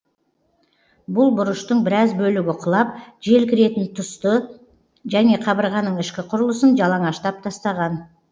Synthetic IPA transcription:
bʊlˠbʊɾʊʃt̪əɴbɪɾɑzbɵlɪɡʲɪqʰʊlˠɑp̚ʒe̞lkʲʰɪɾe̞t̪ɪnt̪ʰʊst̪ə | ʒæne̞qʰɑβəɾʁɑnːəɴɪʃkʲɪqʰʊɾʊlˠəsənʒɑlˠɑɴɑʃt̪ɑp̚t̪ʰɑst̪ɑʁɑn

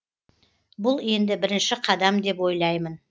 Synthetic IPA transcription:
bʊlˠe̞nd̪ɪbɪɾɪnʃɪqʰɑd̪ɑmd̪e̞pwo̞jlˠɑjmən

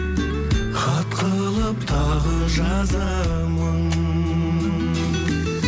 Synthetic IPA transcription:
qʰɑt̪qʰə | lˠəp̚t̪ʰɑʁəʒɑ | zɑ | məŋ

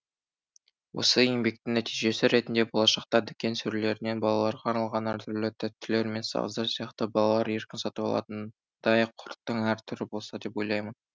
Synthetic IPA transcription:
wʔo̞̰səeŋbe̞k̚t̪ɪŋnæt̪ijʒe̞sɪɾe̞t̪ɪnd̪e̞bo̞lˠɑʃɑq̚t̪ɑd̪ʏkʲe̞nsʏɾle̞ɾɪne̞bɑlˠɑlˠɑɾʁɑːɾnɑlˠʁɑnæɾt̪ʰʏɾlɪt̪ʰɪt̪ʰːʏle̞ɾme̞nsɑ̰ʁəzd̪ɑɾsijɑqt̪əbɑlˠɑlˠɑɾe̞ɾkʲɪnsɑt̪əbɑ̰lˠɑ̰t̪ən | d̪̥ɑjəqʰːʊɾt̪ːəɴæɾt̪ʰʏɾɪbo̞lˠsɑd̪e̞pwo̞jlˠɑjmən

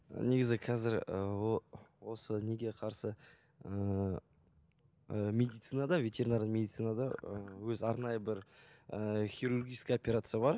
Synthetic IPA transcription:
ne̞ɡʲɪzɪqʰɑzɪɾə | wo̞səne̞ɡʲe̞qʰɑɾsə | ə | əmʲe̞d̪ijt̪sɨnad̪ɑvʲe̞t̪e̞ɾʲinaɾənmʲe̞d̪it̪ɨjnad̪ɑəwɵzɑɾnɑjəbɪɾəχʲijɾuɾɡʲijʃkʲɪopʲeɾat̪sɨjabɑɾ

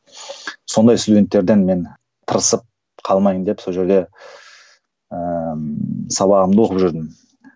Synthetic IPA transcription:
so̞nd̪ɑjst̪ud̪ʲe̞nt̪ːe̞ɾd̪e̞nme̞n | t̪ʰəɾəsəp̚ | qʰɑlˠmɑjəmnd̪epso̞lʒe̞ɾd̪e̞ | ə | sɑβɑʁəmd̪əwoqəpʒʏɾd̪ɪm

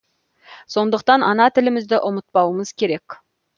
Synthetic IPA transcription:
so̞nd̪əqt̪ɑnʔɑnɑt̪ʰɪlɪmɪzd̪ɪʔʊmət̪̚pɑwəməz̥kʲʰe̞ɾe̞k

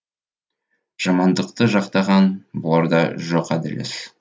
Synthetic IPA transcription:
ʒ̥ɑmɑnd̪ɤqt̪ɤʒɑqt̪ɑʁɑnbolˠɑɾd̪ɑʒoqæd̪ɪ̰̆lɪ̰s

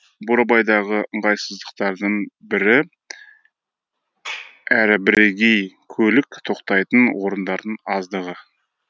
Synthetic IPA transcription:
boɾɑbɑjd̪ɑʁəʔəɴʁɑjsəzd̪əqt̪ɑɾd̪əɴbɪɾɪ | æɾɪbɪɾe̞ɡʲe̞jkʲʰɵlɪkt̪ʰo̞qt̪ɑjt̪ənwʔo̞ɾənd̪ɑɾd̪əɴɑzd̪əʁə

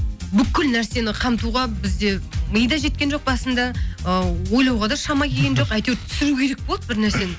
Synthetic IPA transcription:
bʏkʲːɪlnæɾse̞nɪqʰɑmt̪uʁɑbɪzd̪e̞məjd̪ɑʒe̞t̪̚kʲe̞nʒoq̚bɑsənd̪ɑəwo̞jlˠɑwʁɑd̪ɑʃɑmɑkʲʰe̞ɡʲenʒo̞qæjt̪ewt̪ʰʏ̥sɪɾukʲʰe̞ɾe̞k̚bolˠət̪̚bɪɾnæɾse̞nɪ

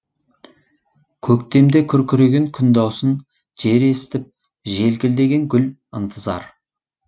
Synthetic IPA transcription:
kʲʰɵkt̪e̞md̪e̞kʲʰʏɾkʲʰʏɾeɡʲe̞ŋkʲʰʏnd̪ɑwsən | ʒ̥e̞ɾe̞st̪ɪp̚ | ʒe̞lkʲɪld̪e̞ɡʲe̞ŋɡʲʏl | ənt̪ʰəzɑ̰ɾ

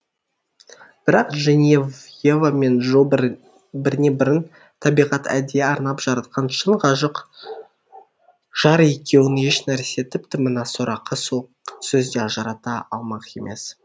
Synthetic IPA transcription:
b̥ɪɾɑqʒenjevjevame̞nʒo | bɪɾɪne̞bɪɾɪn | t̪ʰɑbijʁɑt̪ʰæ̰d̪eɑɾnɑpʒ̥ɑɾɑt̪̚qɑnʃəɴʁɑʒəq | ʒ̥ɑɾje̞kʲe̞wɪne̞ʃnæɾse̞t̪ʰɪpt̪ɪmənɑsoɾʔɑqːəsoqsɵzd̪eɑʒɑɾɑt̪ɑɑ̰lˠmɑqe̞̰mʔe̞̰s

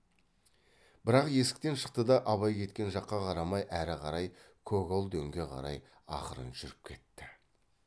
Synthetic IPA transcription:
b̥ɪɾɑqje̞sɪk̚t̪e̞nʃə̥q̚t̪əd̪ɑʔɑβɑjkʲʰe̞t̪kʲe̞nʒɑqːɑqʰɑɾɑmɑjʔæɾɪqʰɑɾɑj | kʰoɡolˠd̪ɵŋɡʲe̞qʰɑ̰ɾɑ̰j | ɑ̰qəɾə̰nʒʏɾɪp̚kʲʰe̞t̪ːɪ

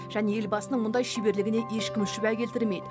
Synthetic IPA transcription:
ʒ̥æne̞e̞lbɑsənəɴmʊnd̪ɑjʃibe̞ɾlɪɡʲɪne̞ʔe̞ʃkʲɪmʃɪbækʲʰe̞lt̪ɪɾɪlme̞jd̪ɪ

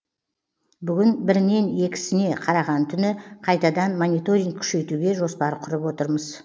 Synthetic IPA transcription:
bʏɡʲɪnbɪɾne̞ne̞kʲɪ̥sɪne̞qʰɑɾɑʁɑnt̪ʰʏnɪqʰɑjt̪ɑd̪ɑnmonijt̪o̞ɾʲiŋkkʲʰʏ̥ʃe̞jt̪uɡʲe̞ʒo̞spɑɾqʰʊɾəpwo̞t̪əɾməz

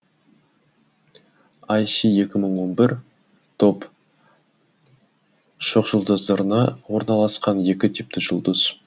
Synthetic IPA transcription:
ɑjsie̞kʲɪməɴwo̞nbɪɾ | t̪ʰo̞p | ʃoqʒʊlˠd̪ɑzd̪ɑɾnɑwo̞ɾnɑlˠɑsqɑnje̞kʲɪt̪ʰɪp̚t̪ɪʒʊlˠd̪əz̥

